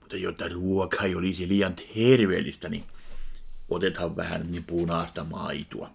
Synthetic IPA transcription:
mut̪ːɑjot̪ːɑruokhɑioliˑsiliːɑnt̪herʋḛːlːˑist̪ænḭ | ʔot̪et̪hɑʋʋæ̰hæ̰nnipunɑːˑst̪ɑmɑ̰it̪ṵɑ̰

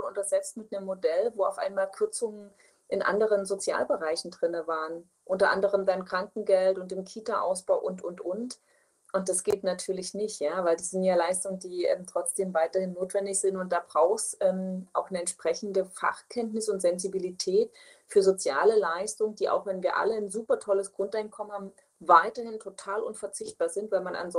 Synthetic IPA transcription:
ʊntdasz̥ɛt͡stmɪtnəmːodɛlvoːa̰ʊfʔa̰ɪnmaːlkʰʏɐt͡sʊŋən | ʔɪnʔa̰ndəʁ̞ənzot͡sja̰ːlbəʁaɪçn̩dʁɪnəvaːʁən | ʔʊntɐʔa̰ndəʁ̞əmdaɪmkʁ̥aŋkŋ̩ɡɛltʊntd̥eːmkʰiːtaʔa̰ʊsb̥aʊʔʊntʊntʔʊnt | ʔʊnt̚d̥asɡ̥eːtnatʰyːɐlɪçnɪçtjaːvaɪldiːz̥əntjaːlaɪstʊŋəndiːʔɛ̰ːmtʁ̥ɔt͡sd̥eːmvaɪtɐhɪnːoːtv̥ɛndɪçz̥ɪntʊnt̚d̥aːbʁaʊxsʔɛːmʔa̰ʊxnəɛntʃpʁ̥ɛçn̩dəfa̰χkʰɛntnɪsʊntz̥ɛnzibilitʰɛːt | fyːɐzot͡sjaːləlaɪstʊŋənd̥iːʔa̰ʊxv̥ɛnviːɐʔa̰lənzuːpɐtʰɔləsɡ̥ʁʊntaɪnkʰɔmənhaːbm̩ | vaɪtɐhɪntʰotʰaːlʔʊnfɛɐt͡sɪçt̚b̥aːɐzɪntv̥aɪlmana̰nzɔ

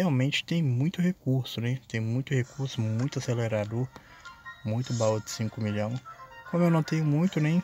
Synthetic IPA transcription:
eawmẽnt͡ʃɪ̥t̪ẽj̃mũj̃t̪ʊhekuɾsʊnɛt̪ẽj̃mũj̃t̪ʊhekuɾsʊmũj̃t̪ʊaseleɾad̪oɾ | mũj̃t̪ʊbawʊd͡ʒɪsĩŋkʊmiʎɐ̃w̃kõmʊewnɐ̃w̃t̪ẽjʊmũj̃t̪ʊnẽj̃

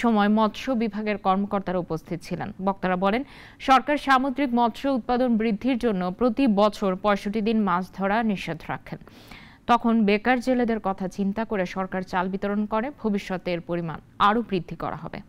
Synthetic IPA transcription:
ʃɔmɔemɔt̪ʃobibʱaɡeɾkɔɾmokoɾt̪aɾaupost̪ʰit̪ot͡ɕʰilḛnbɔk̚t̪aɾabɔlen | ʃɔɾkaɾʃamod̪ɾik̚mɔt̪ʃout̪̚pad̪onbɾid̪ʱːiɾd͡ʑonːopɾot̪ibɔt͡ɕʰoɾpɔeʃoʈid̪inmat͡ɕʰd̪ʱɔɾaniʃːod̪ʱɾa̰kʰen | t̪ɔkʰonbekaɾd͡ʑeled̪eɾkɔt̪ʰat͡ɕint̪akoɾeʃɔɾkaɾt͡ɕalbit̪oɾonkoɾebʱobiʃːot̪eɾpoɾima̰n | aɾobɾid̪ʱːikɔ̰ɾʔa̰ɦɔ̰bḛ

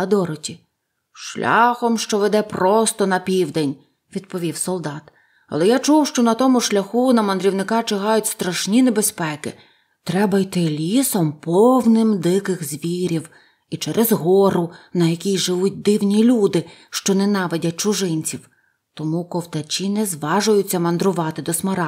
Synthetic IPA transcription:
ɐd̪ɔɾɔtʲi | ʃlʲʔɑ̰xɔmʃt͡ʃɔʋed̪ɛpɾɔst̪ɔnɐpʲiwd̪enʲ | ʋʲid̪̚pɔʋʲiwsɔlˠd̪ɑt̪ | ɐ̰lˠɛjat͡ʃuwʃt͡ʃɔnɐt̪ɔmʊʃlʲɐxunɐmɐnd̪ɾʲiwnɪkɑt͡ʃɪɦɑjʊtʲst̪ɾɐʃnʲinebespɛkɪ̰ | t̪ɾɛbɐjt̪ɪlʲisɔmpɔwnɪmd̪ɪkɪxzʲʋʲiɾʲiw | it͡ʃɛɾʔezɦɔɾʊnɐjɐkʲijʒɪʋut̚ʲd̪ɪwnʲilʲud̪ɪʃt͡ʃɔnɛnɑʋedʲɐt̚ʲt͡ʃʊʒɪnʲt͡sʲiw | t̪ɔmukɔwt̪ɐt͡ʃinɛzʋɑʒʊjʊt͡sʲːɐmɐnd̪ɾʊʋɑt̪ɪd̪ɔsmɐɾɑ

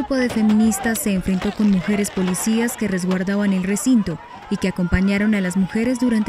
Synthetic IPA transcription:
upo̞ðe̞fe̞mĩnist̪asːe̞ːɱfɾe̞nt̪o̞ko̞nmuxe̞ɾe̞spo̞lisiaske̞re̞zɡwaɾðaβane̞lre̞sint̪o̞ | ike̞ako̞mpaɲaɾo̞nalazmuxe̞ɾe̞zd̪uɾant̪

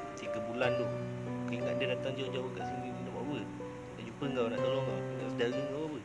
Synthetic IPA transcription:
t̪iɡəbulandu | kaiŋa̰ʔdədat̪aŋd͡ʒawd͡ʒawəka̰ʔsəuininawawə | na̰ʔd͡ʒupəŋɡawna̰ʔt̪alɔŋaəŋɡawsədaɣəŋɡawawə

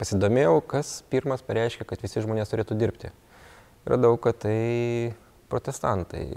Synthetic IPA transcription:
pɐsʲɪd̪oːmʲeːjɛʊkɐspʲiːɾmɐspɐɾʲɛɪʃʲkʲɛkɐt̪ʋʲɪsʲɪʒmoːnʲeːst̪ʊɾʲeːt̪uːd̪ʲɪɾʲpʲt̪ʲɪ̰ | rɐ̰d̪ɐʊkɐtt̪ɐɪ | pɾoːt̪ʲɛst̪ɐnt̪ɐ̰ɪ

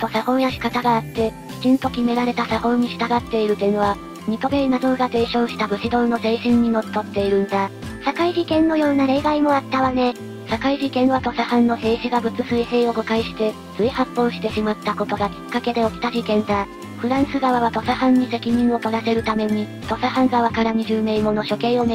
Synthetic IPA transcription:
t̪o̞sahõ̞ɰjaɕi̥kat̪aɡaːt̪ːe̞kʲi̥t͡ɕĩnt̪o̞kʲime̞ɾaɾe̞t̪asahõ̞ɲ̟ːiɕi̥t̪aɡat̪ːe̞iɾɯ̟t̪ẽ̞βa | m̟it̪o̞ɡeinad̪o̞ɡat̪e̞ːɕo̞ːɕi̥t̪abɯ̟ɕid̪õ̞no̞se̞ːɕĩɲ̟ːino̞t̪ːo̞t̪ːe̞iɾɯ̟̃nd̪a | sakaiʑikẽ̞nːo̞jo̞ːnaɾe̞iɡaimo̞at̪ːaβane̞ | sakaiʑikẽ̞ɰ̃βat̪o̞sahãnːo̞se̞ːɕiɡabɯ̟t͡sɨsɨise̞ːo̞ɡo̞kaiɕi̥t̪e̞ | t͡sɨihapːo̞ːɕi̥t̪e̞ɕimat̪ːako̞t̪o̞ɡakʲi̥kːake̞d̪e̞o̞kʲi̥t̪aʑikẽ̞nd̪a | ɸɯ̟ɾãɰ̃sɨɡaβaβat̪o̞sahãɲ̟ːise̞kʲiɲ̟ĩɰ̃o̞t̪o̞ɾase̞ɾɯ̟t̪ame̞ɲ̟i | t̪o̞sahãŋɡaβakaɾaɲ̟iʑɨːme̞imo̞no̞ɕo̞kẽ̞o̞m

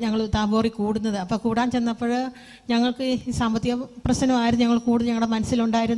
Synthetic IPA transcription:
ɲɐŋːɐɭt̪aːboːrikuːɽunːɐðɨɐpːoːkuːɽaːnt͡ɕe̞nːɐpːoːɻ | ɲɐŋːɐɭkɨsambɐt̪ːijɐprɐɕnɐmaːjɾunːuɲɐŋːɐɭkuːɽuðɨɲɐŋːɭɽemɐnɐsːiluɳɖaːjiɾunː

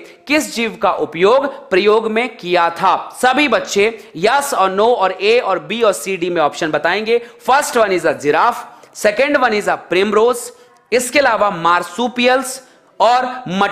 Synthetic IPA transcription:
kɪsd͡ʒiːʋkaʔʊpjoːɡpɾɐjoːɡmẽkijat̪ʰaːsɐbʱibɐtːʃejɐsɔːɾnoːɔːɾeːɔːɾbiːɔːɾsiːɖimẽɔːpʃənbɐt̪aːẽːŋɡeːfəɾsʈʋɐniːzad͡ʒɪɾaːfsɛkə̃ɳɖʋɐniːzapɾɪːmɾoːz | ɪskeɐlaːʋamaːɾsuːpijəls | ɔːɾmɐ

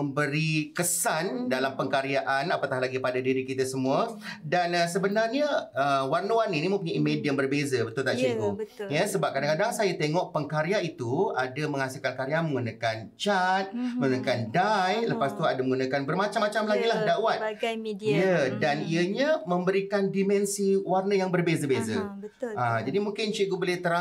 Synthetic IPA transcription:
əmbəɾikəsandalampəŋkaɾjaʔanapat̪ahlaɡipadadiɾikit̪asəmũədanəsəbənarɲəəwarnuaninimə̃mpuɲaimediənbərbezəbət̪ʊlt̪aʔt͡ʃuɡubjəsəbap̚kadaŋkadaŋsajat̪eŋɔk̚pəŋkaɾjait̪uadamə̃ŋhasɪlkankaɾiaməŋɡunakant͡ʃat̪̚mə̃ŋɡunəkandajləpast̪uadaməŋɡunakanbərmãt͡ʃamːat͡ʃamlaɡilahdawat̪̚jədaniəɲamə̃mbəɾikandimɛnsiwarnəjaŋbərbezəbezə | ad͡ʒadimuŋkɪnt͡ʃiɡubolɛht̪əɾa

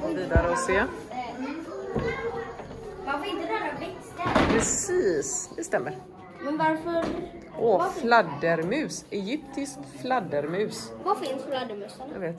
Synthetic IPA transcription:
viːd̪aɾəɔseː | mafɔɾɪ̃nt̪əd̪ɛɾavɛksɛpʰɾɛsiːsd̪ɛst̪ɛmːəɾ | mɛnvaɾfəɾ | ʔɔflad̪ːəɾmʉ̟ːsɛjʏp̚t̪ʰɪskt̪flad̪ːəɾmʉ̟ːsvafɪnsflad̪əmʉːsəaveːt̪

